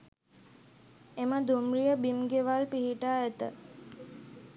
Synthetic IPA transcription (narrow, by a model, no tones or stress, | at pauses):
eməd̪umɾijəbimɡeʋalpiɦiʈaːæt̪ə